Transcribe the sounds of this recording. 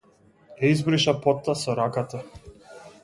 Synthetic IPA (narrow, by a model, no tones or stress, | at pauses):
jaizbɾiʃapɔt̪ːasɔɾakat̪a